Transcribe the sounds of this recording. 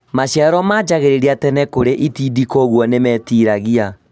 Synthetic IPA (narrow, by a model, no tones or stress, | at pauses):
maɕjaɾɔmaːd͡ʒaɣeɾeɾiatɛnɛkoɾeʔitidikɔɣwɔnemɛtiːɾaɣia